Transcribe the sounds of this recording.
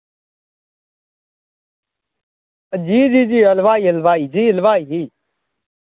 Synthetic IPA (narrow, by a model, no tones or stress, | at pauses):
əd͡ʒiːd͡ʒiːd͡ʒiːəlʋaːiːəlʋaːiːd͡ʒiːəlʋaːiːɦiː